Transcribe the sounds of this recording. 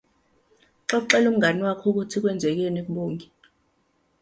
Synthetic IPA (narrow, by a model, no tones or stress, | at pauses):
ǁɔk̬ǃɛlum̩ŋɡʱanwakʰuk̬utʰik̬wɛnd͡zʱɛk̬ɛnek̬uɓoːŋʱi